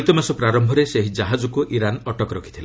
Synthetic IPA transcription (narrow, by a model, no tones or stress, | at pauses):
it̪ɔmasɔpɾaɾɔmbʱɔɾeseɦid͡ʒaɦad͡ʒɔkuʔiɾanɔʈɔkɔɾɔkʰi̥t̪ʰila